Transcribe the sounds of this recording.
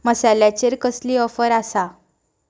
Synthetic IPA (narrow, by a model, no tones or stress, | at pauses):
məsaljat͡ɕeɾkəsliːɔfəɾasa